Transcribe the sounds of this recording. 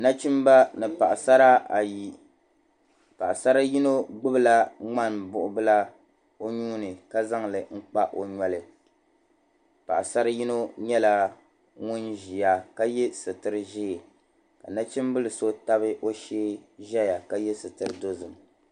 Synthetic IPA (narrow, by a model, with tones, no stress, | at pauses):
na˦t͡ʃi˦mba˦nɨ˨pa˨ʔsa˦ɾa˦a˨ji˨ | pa˨ʔsa˦ɾa˦ji˦no˦ɡ͡bɨ˦bɨ˦la˦ŋ͡ma˦˨nbʊ˦˨ʔʊ˦bɨ˦la˦ | o˦ɲuː˦nɨ˨ka˦za˦ŋlɨ˨ŋ͡m̩˦k͡pa˦ʔo˨ɲɔ˨lɨ˨ | pa̰˨ʔsa˦ɾa˦ji˦no˦ɲɛ˦la˦ | ŋʊ˦nʒi˨ja˨ka˦jɛ˦sɨ˨tɨ˦ɾɨ˦ʒi˦˨ | ka˨na˦t͡ʃi˦m˦bɨ˦lɨ˨so˦ta˦bɨ˦ʔo˦ʃeː˦ʒɛ˦ja˨ka˦jɛ˦sɨ˨tɨ˨ɾɨ˨do˦zɨ˨m